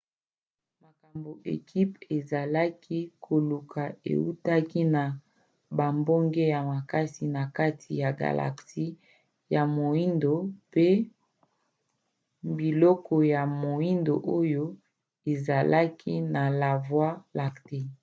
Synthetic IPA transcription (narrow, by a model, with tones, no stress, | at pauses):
ma˨ka˨mbo˨ʔḛ˨kʰi˦pe˨za˨la˦kʰi˦kʰo˨lu˨kʰa˨ḛ˨u˦ta˦ki˦na˨ | ba˨mbo˦ŋɡe˦ja˨ma˨ka˦si˨na˨ka˦tʰi˨ja˨ɡa̰˨la̰˨ksi˦ | ja˨mo˨i˦ndo˨pe˦ | bi˨lɔ˦kɔ˨ja˨mo˨i˦ndo̰˨ʔo˦jo˦ | e˨za˨lʔa˦kʰi˦na˨la˨vwa˦la˨kte˦